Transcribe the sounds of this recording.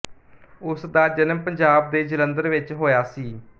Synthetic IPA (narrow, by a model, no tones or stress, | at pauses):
ʊsd̪aːd͡ʒənəmpəɲd͡ʒaːb̚d̪eːd͡ʒələnd̪əɾʋɪt͡ʃɦoːjaːsiː